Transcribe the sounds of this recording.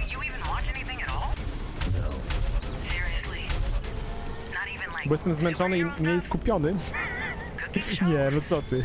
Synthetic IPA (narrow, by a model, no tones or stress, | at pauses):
jɨivɨ̃nwɑt͡ʃɛniθɪ̃ŋɨɾɔlˠ | no̰ʊsɪɹiɨsli | nəɾivɨ̃nlaɪwɛst̪ə̃mzmɛ̃ntɔ̃nineskupjɔ̃nɨ | kʰʊjævət̪sɔt̪i